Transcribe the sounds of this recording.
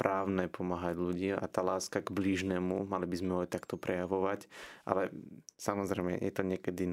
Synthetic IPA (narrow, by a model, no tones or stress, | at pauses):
pɾaːʊnɛːpʰɔmaːɦaɟʎuɟiːmʔa̰t̪aːlaːskaɡbliːʒnɛːmumalibizmɛɦɔt̪akt̪ɔpɾʔɛjaʋɔʋacʔa̰lɛsamɔzɾɛmɛ̰jɛ̰t̪ɔɲɪɛkɛd̪in